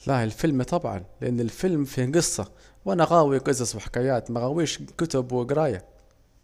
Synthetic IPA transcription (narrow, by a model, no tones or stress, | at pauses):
laɪlfɪlmt̪ˤɑbʕɑ̰nlʔanːɪlfɪlmfiɡɨsˤːɑwʔanaɣaːwiɡɑzɑsˤwɪħɪ̥kaːjaːt̪maɣaːwiːʃkʊt̪ʊbwɪɡɾˤɑːja